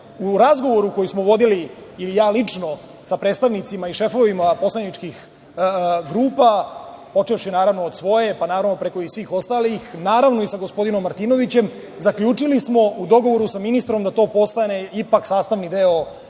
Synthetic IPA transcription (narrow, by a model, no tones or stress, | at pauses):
uɾazɡo̞ʋo̞ɾuko̞jismoʋo̞d̪iliːlijaːlit͡ʂno̞ | sapɾeːt̪st̪aʋnit̪simaiʃe̞fo̞ʋimapo̞slenit͡ʂkix | ɡɾuːpa | po̞t͡ʂefʃinaːɾaʋno̞ːd̪sʋo̞je̞panaːɾaʋno̞pɾe̞ko̞isʋiːxo̞st̪alixnaːɾaʋno̞isaɡo̞spo̞d̪ino̞mːaɾt̪ino̞ʋit͡ɕe̞m | zakʎuːt͡ʂilismo̞ud̪o̞ɡo̞ʋo̞ɾusaminist̪ɾomd̪at̪o̞ːpo̞st̪ane̞ipaksaːst̪aʋnid̪eo